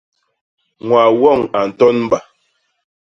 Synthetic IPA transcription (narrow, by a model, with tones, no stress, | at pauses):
ŋwa˨wɔ˦˨ŋa˨n̩˨tɔ˦nm̩˦ba˨